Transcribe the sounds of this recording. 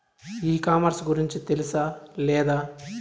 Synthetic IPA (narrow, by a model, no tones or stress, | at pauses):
iːkaːmɐɾsɡuɾiɲt͡ʃut̪elisɐlɛːd̪aː